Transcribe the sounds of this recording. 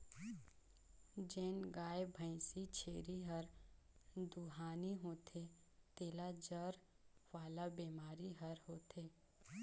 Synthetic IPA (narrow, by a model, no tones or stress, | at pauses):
d͡ʒeːnɡaːebʱə̃ɪ̃sit͡ʃʰeːɾiɦəɾ | d̪uɦaːniɦoːt̪ʰe | t̪eːlad͡ʒəɾ | ʋaːlabeːmaːɾiɦəɾɦoːt̪ʰeː